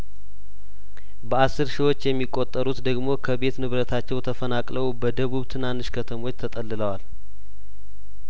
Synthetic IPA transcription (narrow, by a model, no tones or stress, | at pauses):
bəasːɨɾʃiwo̞t͡ʃːjɛmːikʼːo̞t̪ʼːəɾut̪d̪əɡmo̞kʰəbe̞t̪nɨβɾət̪ʰat͡ʃːɛwt̪ʰəfənakʼləwbəd̪əβuβt̪ʰɨnanːɨʃkʰət̪ʰəmo̞t͡ʃːt̪ʰət̪ʼəlːɨləwal